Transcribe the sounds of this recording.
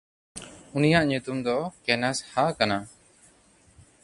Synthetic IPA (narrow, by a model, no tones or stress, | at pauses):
unijaʔɲut̪umd̪ɔkɛnashakana